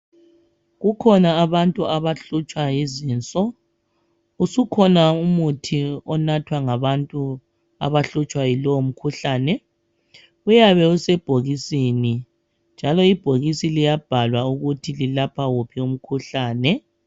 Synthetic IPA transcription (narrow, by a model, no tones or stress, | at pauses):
ɣukʰɔnaːβantʼuaβaɬut͡ʃʼwajiziːnt͡sʼɔ | usukʰɔnaumutʰiɔnatʰwaŋaβantʼu | a̰βaɬut͡ʃʼwajilɔwom̩kʰuɬaːnɛ | ɣujaβɛusɛb̥ʱoɣisieni | nd͡ʒʱalɔib̥ʱoɣisilijab̥ʱalwauɣutʰililapʰawupʰium̩kʰuɬaːnɛ